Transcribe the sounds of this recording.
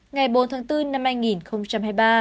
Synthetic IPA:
ŋa˨˩jɓo˨˦nt̪ʰaː˨˦ŋt̪ɨ˧na˧mhaː˧jŋi˨˩nxə˧wŋ͡mt͡ɕa˧mhaː˧jɓaː˧

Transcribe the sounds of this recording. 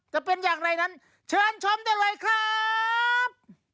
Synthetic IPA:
t̪ɛː˨˩pe˧njaː˨˩ŋɾa˧jna˦˥n | t͡ɕʰɤː˧nt͡ɕʰɔ˦˥mdaː˥˩jlɤː˧jkʰɾaː˥˩ | p̚

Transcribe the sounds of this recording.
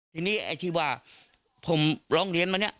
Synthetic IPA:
t̪ʰiː˧niː˦˥˩a̰˧˩jt̪ʰiː˧˩waː˧˩ | pʰo˨˦mɾɔː˦˥˩ŋɾi˧ənma˧ni˦˥ɐʔ

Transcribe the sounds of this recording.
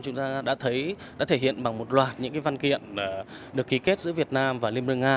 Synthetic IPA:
t͡ɕʊ˨˦ŋ͡mt̪aː˧ɗa̰ː˧˥t̪ʰə˨˦jɗa̰ː˧˥t̪ʰe˧˩hḭ˧˨ənɓa˨˩ŋmo˨˩t̚lwaː˨˩t̚ɲɨ̰˧˥ŋkaː˨˦va˧nkḭ˧˨ənː˨˩ | ɗɨ˨˩əkːi˨˦ke˦˥t̚zɨ̰˧˥əvi˨˩ət̚naː˧mvaː˨˩li˧əmɨ˧əŋaː˧

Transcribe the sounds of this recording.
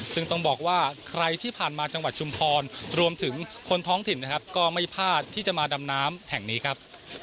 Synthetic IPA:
sɯ˥˩ŋt̪ɔ˥˩ŋbɔː˨˩k̚waː˥˩kʰɾa˧jt̪ʰiː˥˩pʰaː˨˩nmaː˧t͡ɕa˧ŋwa˨˩t̪̚t͡ɕʰu˧mpʰɔː˧nɾu˧əmt̪ʰɯ˩˦ŋkʰo˧nt̪ʰɔː˦˥ŋt̪ʰi˨˩nːa˦˩kʰa˦˥p̚kɔː˥˩ma˥˩jpʰaː˥˩t̪ʰːiː˥˩t͡ɕa˨˩maː˧da˧mnaː˦˥mhɛ˨˩ŋniː˦˥kʰɾa˦˥p̚

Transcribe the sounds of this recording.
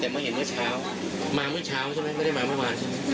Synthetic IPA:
t̪ɛː˨˩mː˦˥˩ɦe˨˦mɯ˦˥˩ɐt͡ɕʰaː˦˥w | maː˧˩mɯ˦˥ɐt͡ɕʰaː˦˥wʰa˧˥˩na˦˥m˥˩˨ɾa˥˩maː˧mɯ˥˩waː˧n

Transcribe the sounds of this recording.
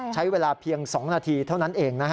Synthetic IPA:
t͡ɕʰa˦˥jweː˧laː˧pʰi˧əŋsɔː˩˦ŋnaː˧t̪ʰiː˧t̪ʰa˥˩wna˦˥nʔeː˧ŋna˦˥kʰ

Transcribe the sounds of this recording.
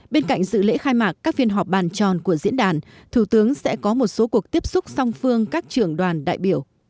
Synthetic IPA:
ɓe˧nka̰˧˨jŋ̟zɨ̰˧˨lḛ˧˥xaː˧jmaː˨˩k̚kːaː˦˥k̚vi˧ənɦa˨˩wk͡p̚ɓaː˨˩nt͡ɕɔ˨˩nku˧˩əzḭ˧˥ənɗaː˧˨˩n | t̪ʰu˧˩t̪ɨ˨˦əŋsɛ̰˧˥kɔ˨˦mo˨˩t̚so˨˦ku˨˩ək̚t̪i˦˥əp̚sʊ˦˥k͡p̚sa˧wŋ͡mfɨ˧əŋkaː˦˥k̚t͡ɕɨ˧˩əŋɗwaː˨˩nɗa̰ː˧˨jɓi˧˩əw

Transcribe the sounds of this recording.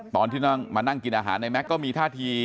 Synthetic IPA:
t̪ɔː˧nt̪ʰiː˥˩nɔ˥˩ŋmaː˧na˥˩ŋki˧nʔaː˧ɦa̰ː˩˦nːa˧jmɛ˦˥kːɔː˥˩miː˧t̪ʰaː˥˩t̪ʰiː˧

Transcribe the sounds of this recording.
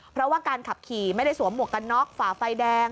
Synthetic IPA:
pʰɾɔ˦˥waː˥˩kaː˧nkʰa˨˩p̚kʰiː˨˩ma˥˩jda˥˩jsu˩˦əmːu˨˩ə˩kːa˧nːɔ˦˥k̚faː˨˩˦fa˧jdɛː˧ŋ

